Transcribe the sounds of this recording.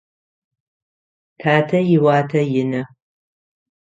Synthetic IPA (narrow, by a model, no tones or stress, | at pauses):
tʰaːtʰɐjɪwaːtʰɐjɪnɐ